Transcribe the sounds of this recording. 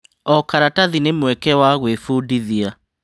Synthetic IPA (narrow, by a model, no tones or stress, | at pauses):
ɔkaɾataðinemwɛkɛwaɣwefuːdiðia